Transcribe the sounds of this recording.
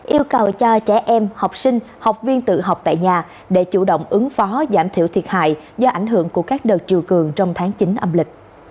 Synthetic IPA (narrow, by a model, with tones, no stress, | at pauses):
ʔi˧əwkə˨˩wt͡ɕɔ˧t͡ɕɛ˧˩ʔɛ˧mha˨˩wk͡p̚sï˧ŋ̟ | ha˨˩wk͡p̚vi˧ənt̪ɨ̰˧˨ɦa˨˩wk͡p̚t̪a̰ː˧˨jɲaː˨˩ | ɗe˧˩t͡ɕu˧˩ɗo̰˧˨wŋ͡mʔɨ˨˦ŋfɔ˨˦zaː˧˩mt̪ʰḭ˧˩əwt̪ʰi˨˩ət̚ha̰ː˧˨jzɔ˧ʔa˧˩jŋ̟ɦɨ˧˥əŋku˧˩əkaː˦˥k̚ɗəː˨˩t̚t͡ɕi˨˩əwkɨ˨˩əŋt͡ɕɔ˧wŋ͡mt̪ʰaː˨˦ŋt͡ɕi˨˦nʔə˧mlï˨˩k̟̚